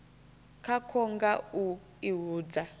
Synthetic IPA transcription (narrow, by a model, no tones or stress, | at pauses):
kʰakʰɔŋɡau | iɦuːd͡za